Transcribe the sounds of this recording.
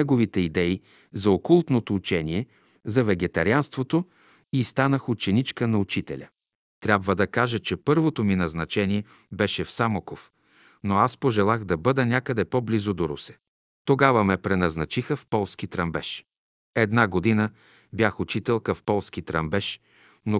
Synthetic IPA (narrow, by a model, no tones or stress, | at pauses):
ɛɡovit̪ɛid̪ɛi | zɐokulˠt̪not̪oːt͡ʃɛniɛ | zɐvɛɡɛt̪ɐɾianst̪vot̪o | ist̪anəxʊt͡ʃɛnit͡ʃkənɐut͡ʃit̪ɛ̰lʲɐ̰ | t̪ɾʲabvəd̪ɐkaʒət͡ʃɛpɤɾvot̪ominɐznɐt͡ʃɛniɛ | bɛʃɛfsamokof | noaspoʒɛlˠaxd̪ɐbɤd̪ənʲakəd̪ɛpoblizod̪oɾṵsɛ̥ | t̪oɡavəmɛpɾɛnɐznɐt͡ʃixəfpɔlˠskit̪ɾɐmbɛʃ | ɛd̪naɡod̪inə | bjaxʊt͡ʃit̪ɛlˠkɐfpɔlˠskit̪ɾɐmbɛʃ | no